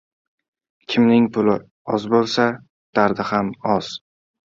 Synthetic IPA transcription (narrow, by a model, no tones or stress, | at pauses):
kʲʰɪmnɪŋpʰʊlɪ | ɒzbolˠsa | d̪̥aɾd̪ɪhamɒz̥